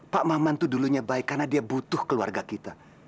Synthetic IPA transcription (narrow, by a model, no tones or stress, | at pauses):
paʔmamant̪uduluɲabaɪkːarnadiabut̪ʊhkəlua̰rɡakit̪a